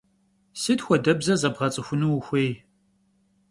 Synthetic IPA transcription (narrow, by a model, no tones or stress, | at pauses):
sɨtxʷɔdɐbzɐzɐbʁɐt͡sʼɨxʷʊnuwxʷeːj